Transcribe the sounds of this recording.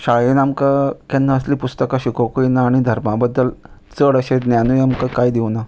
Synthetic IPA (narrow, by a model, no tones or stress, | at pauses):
ɕaɭinamkakanːaəsliːpust̪əkaɕikokuinaːɽ̃id̪ʱəɾmabəd̪ːəlt͡səɽəɕed̪njanujamkakajd̪iwna